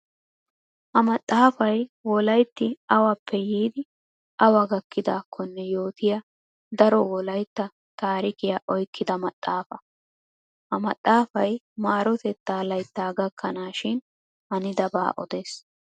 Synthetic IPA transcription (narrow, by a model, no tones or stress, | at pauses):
hɐmɐt̪ʼːaːfɐjwɔlɐjt̪ːɪɐwɐpːɛjiːd̪ɪ | ʔɐwɐɡɐkːɪd̪aːkʰːɔnːɛjo̞ːt̪ɪjɐ | d̪ɐɾɔwɔlɐjt̪ːɐ | t̪aːɾɪkɪjaʔɔjkːɪd̪ɐmɐt̪ʼːaːfɐ | hɐmɐt̪ʼːaːfɐj | maːɾɔt̪ɛt̪ːaːlɐjt̪ːaːɡɐkʰːɐnaːʃɪn | hɐnɪd̪ɐba̰ːʔɔd̪eːs